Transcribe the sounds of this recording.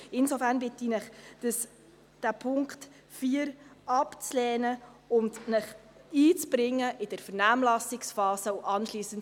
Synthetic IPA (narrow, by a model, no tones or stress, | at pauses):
ɪnsofærnbɪtinəχd̥əs | d̥æpʰʊŋkχt | fiːɾɑpt͡slɛːnəʊndnəχiːt͡sb̥ɾɪŋːəʔɪd̥əɾfəɾnæːmlɑsɪksfɑːsəuʔɑnʃliːsənt